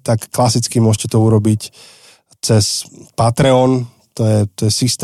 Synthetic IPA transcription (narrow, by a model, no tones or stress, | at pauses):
t̪akːlasit͡skimʊɔʃcɛt̪ɔuɾɔbic | t͡sɛspat̪ɾɛɔn | t̪ɔjɛt̪ɔjɛsist̪